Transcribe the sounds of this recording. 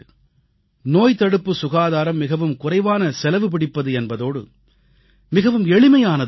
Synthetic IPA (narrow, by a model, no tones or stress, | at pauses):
noːjt̪ɐɽɯpːɯsʊɣaːðaːɾɐmːɪɣɐʋɯmkʊrɐɪʋaːnɐsɛlɐʋɯp̬ɪɽɪpːɐðɯɛnbɐðoːɽɯ̰ | mɪɣɐʋɯmɛɭɪmɐjaːnɐð